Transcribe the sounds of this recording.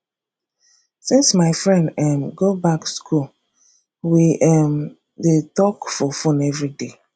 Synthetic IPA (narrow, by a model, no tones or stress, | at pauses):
sĩnsmaɪfɹɛ̃ndɛmɡobakskʰul | wiʔɛm | detɔkfɔfũnɛvɹide